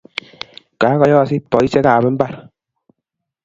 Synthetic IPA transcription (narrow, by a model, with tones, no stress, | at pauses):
ka˨˦kɔ˨˦jɔ˦a˨si˦pːɔ˨i˦se˦ka˨bɛ˦m̩˦ba˦˨ɾ